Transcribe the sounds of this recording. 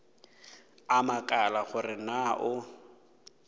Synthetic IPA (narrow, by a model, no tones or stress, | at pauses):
amakʼalaχʊrɪnaʔʊ